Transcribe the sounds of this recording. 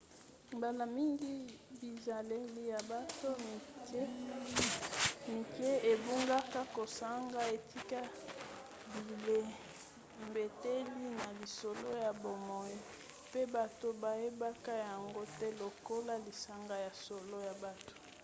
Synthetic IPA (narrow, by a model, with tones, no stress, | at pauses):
mba˨la˨mi˦ŋɡi˦bi˨za˨le˦li˦ja˨ba˦to˦i˨˦ | mi˨ke˦e˨bu˦ŋɡa˦ka˦ko˨sa˦ŋɡa˦e˨ti˦ka˦ | bi˨le˦ | mbe˨te˦li˦na˨li˨so˨lo˦ja˨bo˨mɔ˨i˦ | pe˦ba˨to˦ba˨je˦ba˦ka˦ja˨ŋɡo˦tɛ˦lo˨ko˦la˦li˨sa˦ŋɡa˦ja˨so˨lo˦ja˨ba˨to̥˨